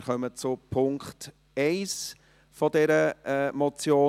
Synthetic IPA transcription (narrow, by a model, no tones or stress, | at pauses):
ɾχœmət͡sʊpʰʊŋkχt | ɛɪs | fɔdɛɾəɛːmɔt͡sjoː